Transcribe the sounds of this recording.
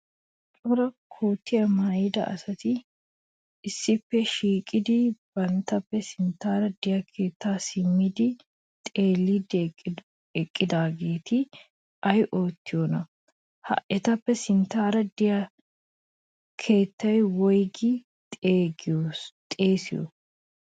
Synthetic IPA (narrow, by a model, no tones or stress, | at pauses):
t̪ʼʊɾɐkʰoːt̪ːɪjɐmɐjd̪ɐ̰ʔɐ̰sɐt̪ɪː | sːɪpːɛʃiːkʼɪd̪ɪb̥ɐnt̪ɐpːɛsɪnt̪aːɾɐd̪ɪjɐkʰe̞ːt̪ːaːsɪmːɪd̪ɪ | t̪ʼe̞ːlːid̪ | ɛkʼːɪd̪aːɡeːt̪ɪ | ʔɐjʔoːt̪ːɪjoːnɐ | hɐ̰ʔɛt̪ɐpːɛsɪnt̪aːɾɐd̪ɪjɐ | kʰe̞ːt̪ːɐjwɔjɡɪ | t̪ʼeːɡɪot̪ʼe̞ːsɪjɔ̰